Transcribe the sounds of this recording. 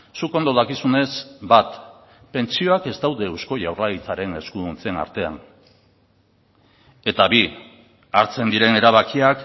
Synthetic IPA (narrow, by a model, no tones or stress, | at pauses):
suko̞nd̪o̞ðakisune̞sbat̪ | pe̞nt͡sio̞ake̞zt̪awðe̞wsko̞ʝawrait͡saɾe̞ne̞skuðunt͡sena̰ɾt̪e̞a̰n | e̞t̪aβi | aɾt͡se̞nd̪iɾe̞ne̞ɾaβ̞akiak